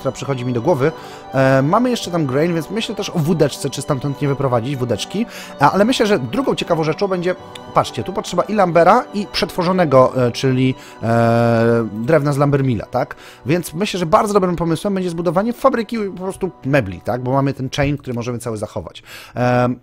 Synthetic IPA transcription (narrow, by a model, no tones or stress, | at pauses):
t̪uɾapʂɘxɔd͡ʑimʲid̪ɔɡwɔvɘ | mamɘjɛʂt͡ʂɛt̪amɡɾɛjnvʲjɛnsmɘɕlɛt̪ɛʂɔvud̪ɛt͡ʂt̪sɛt͡ʂɘ̥ɨst̪ant̪ɔnt̪ɲɛvɘpɾɔvad͡ʑid͡ʑvud̪ɛt͡ʂkʲi | a̰lɛmɘɕlɛʐɛd̪ɾuɡɔ̃w̃t͡ɕɛkavɔ̃w̃ʐɛt͡ʂɔ̃w̃bɛɲd͡ʑɛ | patʂt͡ɕɛt̪upɔtʂɛbaʔilambɛɾaipʂɛt̪fɔʐɔn̪ɛɡɔt͡ʂɘlʲi | d̪ɾɛvnazlambɛɾmʲila̰t̪ak | vʲjɛnt̪smɘɕlɛʐɛbaɾd̪zɔd̪ɔbɾɘmpɔmɘswɛmbɛɲd͡ʑɛzbud̪ɔvaɲɛfabɾɘkʲipɔpɾɔst̪umɛblʲḭt̪aɡ̚bɔmamɘt̪ɛnt͡ʂɛjnk̚t̪uɾɘmɔʐɛmɘt̪sawɘzaxɔ̰va̰t͡ɕ